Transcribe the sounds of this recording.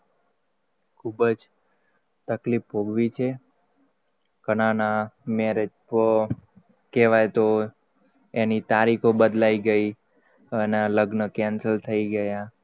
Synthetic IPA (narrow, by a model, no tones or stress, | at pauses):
kʰubəd͡ʒ | t̪əklipɦoɡʋit͡ʃʰe | kənanameɾed͡ʒpə | keʋajt̪o | enit̪aɾikʰobəd̪laiɡəi | ənaləɡnəkɛ̃nsəlt̪ʰəiɡəja